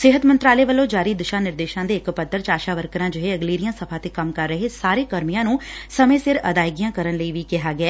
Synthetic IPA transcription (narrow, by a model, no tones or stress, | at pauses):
sɪɦət̪mənt̪ɾaːleːʋəlõːd͡ʒaːɾiːd̪ɪʃãːnɪɾd̪eːʃãːd̪eːɪkpət̪ːəɾt͡ʃaːʃaːʋəɾkəɾãːd͡ʒʊɦeːəɡliːɾɪjãːsəpʰaːt̪eːkəmkəɾːəɦeːsaːɾeːkəɾmijãːnũːsəmẽːsɪɾə̰d̪aːɪɡijãːkəɾənləiːʋiːkɪɦaːɡɪɛː